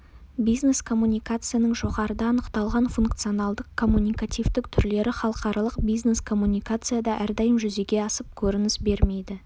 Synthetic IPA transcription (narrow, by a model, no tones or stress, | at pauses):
bijzne̞skʰo̞mːunʲijkat̪sɨjanəɴʒo̞ʁɑɾəd̪ɑɑnəqt̪ɑlˠʁɑnfuŋk̚t̪sɨjo̞nɑlˠd̪əqʰːo̞mːunʲijkat̪ʲijvt̪ɪkt̪ʰʏɾle̞ɾɪχɑlˠəqɑɾɑlˠəqbijzne̞skʰo̞mːunʲijkat̪sɨjad̪ɑʔæɾd̪ɑjəmʒʏze̞ɡʲe̞ɑsəp̚kʲʰɵɾɪnɪsbe̞ɾme̞jd̪ɪ